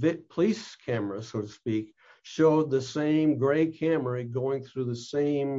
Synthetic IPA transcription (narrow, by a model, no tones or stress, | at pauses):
vɪt̚pʰəliskʰæmə˞ɨsoʊɾəspik | ʃoʊd̪̚ðɨsẽɪ̃mɡɹeɪkʰæmə˞ɨɡoʊɪ̃ŋθɹʉðɨsẽɪ̃m